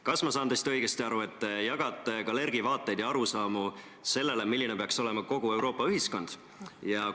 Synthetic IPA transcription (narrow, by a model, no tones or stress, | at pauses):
kɑsmɑsɑːnd̪ɑsit̪ɤjɡ̥est̪iɑɾue̞t̪ːjɑɡ̥ɑt̪ːˑekɑle̞rɡ̥ivɑːt̪ːˑejd̪jɑɑɾusɑːmu | se̞lːe̞le̞milːinepeɑkso̞le̞mɑko̞ɡ̥ue̞wɾo̞ːpːˑɑyɦisko̞nd̪̥ | jɑ